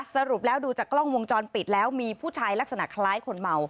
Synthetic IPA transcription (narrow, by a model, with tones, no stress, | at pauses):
sa˧ɾu˨˩p̚lɛː˦˥wduː˧t͡ɕaː˨˩klɔ˥˩ŋwo˧ŋt͡ɕɔː˧npi˨˩t̪̚lɛː˦˥wmiː˧pʰuː˥˩t͡ɕʰaː˧jla˦˥k̚sa˧na̰˨˩ʔk̪ʰa˧laː˦˥jkʰo˧nma˧w